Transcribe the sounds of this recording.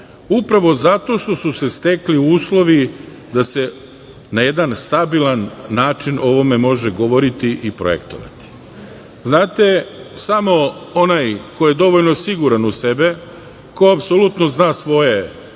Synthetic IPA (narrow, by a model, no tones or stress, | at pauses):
upɾaʋo̞zat̪o̞ʃt̪o̞suse̞st̪e̞kliuːslˠo̞ʋi | d̪ase̞ | naje̞d̪anst̪abilˠanːaːt͡ʃino̞ʋo̞me̞mo̞ʒeɡo̞ʋo̞ɾit̪iʔipɾo̰jḛkt̪o̰ʋa̰t̪i̥ | znaːt̪e̞samo̞onajko̞jed̪o̞ʋoʎnosiɡuɾanuse̞be̞ | koapsolut̪noznaːsʋo̞je̞